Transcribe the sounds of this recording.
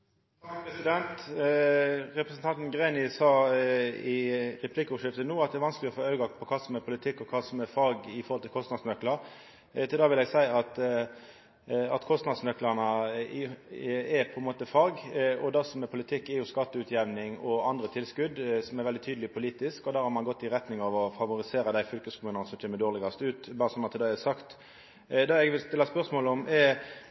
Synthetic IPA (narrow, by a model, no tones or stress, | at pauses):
ɑpʰɾɛsɪd̪ɛnt̪ | ɾɛpɾɛsən̩t̪ɑnt̪nɡɾeɪnɪsɑː | ɪɾɛpʰlɪkːʊːʂɪft̪ənuːɑt̪d̪ɛɾʋɑnskəlɪɔfoːɑʉɡɑpʰɔkʰɑːsɔmɛpʰʊlɪt̪ʰɪkːɔkʰɑːsɔmɛfɑɾɡɪfɔɾhɔlt̪ʰɪlkʰɔst̪nɑd̪smœklɑɾ | t̪ʰɪld̪ɑːʋɪlɛɡsæɪɑt̪ | ɑ̰t̪kʰɔst̪nɑd̪smœklɑʁnə | ɛpʰɔɛnmoːt̪əfɑːɡɔd̪ɑsɔmɛpʰʊlɪt̪ʰɪkːɛjʊskɑt̪ːəʉːt̪ʰjɛʋnɪŋɔɑnd̪ɾət̪ʰɪlskʉd̪sɔmɛɾʋɛld̪ɪt̪ʰyːd̪əlɪpʰʊliːt̪ɪskɔd̪æːɾhɑɾmɑnɡɔt̪ːɪɾɛt̪nɪŋɑʋɔfɑʋʊɾɪseːɾəd̪æɪfʏlkəskʰʊmʉːnɑnəsɔmc͡çʰeːməd̪oːʁlɪɡɑst̪əʉːt̪bɑːɾəsɔmːɑt̪ʰɪld̪æɪæsɑkt̪ | d̪ɑːɛɡʋɪlst̪ɪlːɑspœʁsmoːlɔmɛ